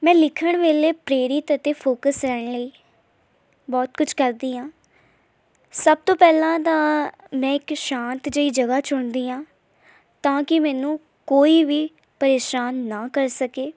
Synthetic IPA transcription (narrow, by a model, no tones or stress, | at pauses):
mɛ̃ːlɪkʰəɳ̃ʋeːleːpɾeːɾɪt̪ət̪eːpʰoːkəsɾɛːɳləiː | bɔːt̪kʊt͡ʃʰkəɾd̪iːãː | səb̚t̪õːpɛːlãːt̪ãː | mɛ̃ːɪkʃãːnt̪d͡ʒəiːd͡ʒəɡaːt͡ʃʊɳd̪iːãː | t̪ãːkɪmɛ̃ːnũː | koːiːʋiː | pəɾeːʃaːnːaːkəɾsəkeː